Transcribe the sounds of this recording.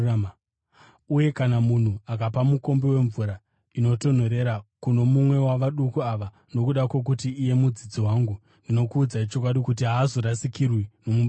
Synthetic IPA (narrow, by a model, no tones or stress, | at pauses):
uje̞kanamun̤uakapamuko̞mbewe̞ɱvuɾa | ino̞to̞n̤o̞ɾe̞ɾakuno̞mumwe̞waʋaɗukuaʋa | no̞kuɗakwe̞k̬utiːje̞mud͡zid͡ziwaːŋɡu | ndino̞kuːd͡zait͡ʃo̞k̬waɗikut̬iɦaːzoɾasikirwino̞mumb